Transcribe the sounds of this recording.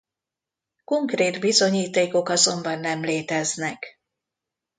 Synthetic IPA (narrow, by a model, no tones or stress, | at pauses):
ko̞ŋkreːd̪bizo̞ɲiːt̪eːko̞kɒzo̞mbɒnːɛmleːt̪ɛznɛk